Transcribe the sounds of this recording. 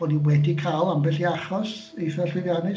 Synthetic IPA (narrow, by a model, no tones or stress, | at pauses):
ɔniwɛdikʰaːlˠambɛɬiaχɔs | iθɛɬwɪvjanɨ